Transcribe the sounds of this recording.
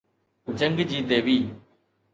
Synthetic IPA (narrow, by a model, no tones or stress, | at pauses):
ʊt͡ɕəŋɡd͡ʑiːt̪eːʋiː